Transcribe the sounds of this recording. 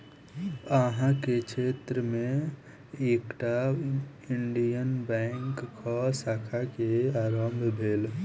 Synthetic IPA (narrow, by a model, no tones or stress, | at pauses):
əɦãket͡ʃʰeːt̪ɾəmẽ | eːkʈa | iɳɖijənbɛŋkʰːɔsaːkʰakeaːɾəmbʱbʱeːl